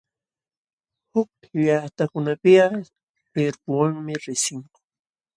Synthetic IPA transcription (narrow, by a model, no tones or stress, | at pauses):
hʊk̚ | jat̪akʊnapɪa | kɪɾpʊwaŋmɪɾɪsɪŋkʊ̥